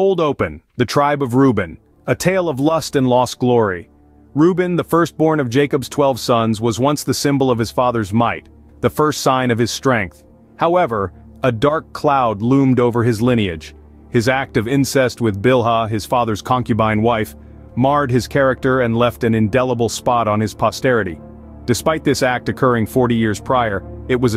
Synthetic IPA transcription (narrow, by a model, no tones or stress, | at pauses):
oʊlˠdoʊpɨ̃nðɨtʰɹ̥aɪbʌvɹʉbɨ̃n | ɨtʰeɪlˠʌvlʌstɨ̃nlɔsɡ̥lɔɹi | ɹʉbɨ̃nðəfɜ˞st̚b̥ɔɹnʌvd͡ʒeɪkɨbz̥tʰw̥ɛlˠv̥sʌ̃nzwʌzwʌ̃nsðɨsɪ̃mbl̩ˠʌv̥ɨz̥fɑðə˞zmaɪt̪̚ | ðɨfɜ˞stsãɪ̃nʌv̥ɨz̥stɹ̥ɛ̃ŋk̚θ | haʊɛvə˞ɨdɑɹkʰl̥aʊdˡlũmdoʊvə˞ɨzlɪ̃ñiɨd̥ʒ̥ | hɨzæk̚tʌvɪ̃nsɛst̚wɨðbɪlˠɦəɨz̥fɑðə˞z̥kʰɑ̃ŋkjɨbãɪ̃nwaɪf | mɑɹd̚ɨz̥kʰɛɹɨk̚tə˞ɨ̃nlɛftɨ̃nɨ̃ndɛlˠəbl̩ˠspɑɾn̩ɨz̥pʰɑstɛɹɨɾḭ | d̥ɨspaɪt̪̚ðɪsæk̚tɨkʰɜ˞ɪ̃ŋfɔɹɾijɪɹz̥pʰɹ̥aɪə˞ɨt̚wʌz